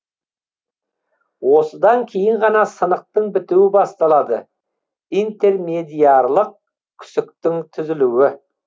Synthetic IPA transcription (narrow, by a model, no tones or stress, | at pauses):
wo̞səd̪ɑŋkʲʰe̞jɪɴʁɑnɑsənəq̚t̪əɴbɪt̪uwɪbɑst̪ɑlˠɑd̪ə | ijnt̪e̞rme̞d̪ijɑɾlˠəq̚ | kʲʰʏ̥sɪkt̪ɪŋt̪ʰʏzɪluwɪ